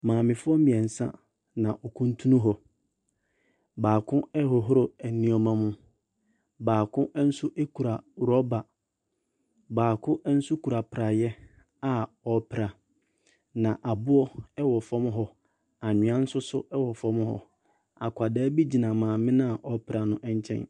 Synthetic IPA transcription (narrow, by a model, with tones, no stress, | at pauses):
mãː˨mɪ̃˨fʊ˦ɔ˦mĩ˨ɛ˨n̩˨sã̰˦ | nã˨ʔɔ˨kʰũ˦n˦tʰu˦nũ˦ɦɔ˨ | baː˨kʰʊ̃˦ɛ˦hɔ˨ɦʊ˦ɾʊ˨ɛ˨nĩ˦ɔ˨mã˦mʊ̃˦ | baː˨kʰʊ̃˦ʔn̩˦sʊ˦ʔe˦kʰu˨ɾa˨ɾɔ˦ba˨ | baː˨kʰʊ̃˦ʔɛ˦n̩˦sʊ˦kʰu˨ɾa˨pʰɾa˨jɛ˦ | a˦˨ | ɔ˨˦pʰɪ˨ɾa˨ | nã˨ʔa˨bʊ˦ɔ˦ɛ˦wɔ˨fɔ̃˦m˦ɦɔ˦ | a˨ɲʊ̃˨˦ã˦n̩˦sʊ˦sʊ˦ɛ˦wɔ˨fɔ̃˦m˦hɔ̰˦ | a˨kʰʷa˨dɛː˦bi˦d͡ʑi˨nã˨mãː˨mɪ̃˦nã˦a˨ʔɔ˨pʰɾa˨nʊ̃˦ʔɛ˦ɲ˦t͡ɕʰɛ̰̃˦n